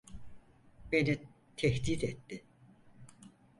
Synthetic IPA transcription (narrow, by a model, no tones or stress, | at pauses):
be̞ni | t̪ʰɛçt̪it̪et̪ːɪ